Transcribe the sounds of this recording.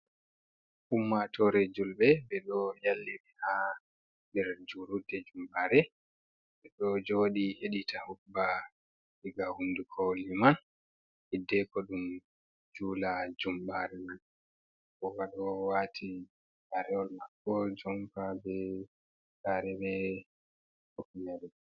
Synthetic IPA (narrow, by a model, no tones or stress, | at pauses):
humːatɔɾed͡ʒulbɛbɛɗɔjalːɛbɛha | dɛɾd͡ʒuɾudɛd͡ʒumɓaɾɛ | ɓɛɗɔd͡ʒoːɗiheɗitahukba | liɡahundukʰoliman | hidːɛkɔɗum | d͡ʒuːlad͡ʒumɓaɾɛman | kɔwaɗɔwatʰi | saɾɛɔlmakːɔd͡ʒɔmkabɛ | saɾɛbɛ | okiɲaɾɛ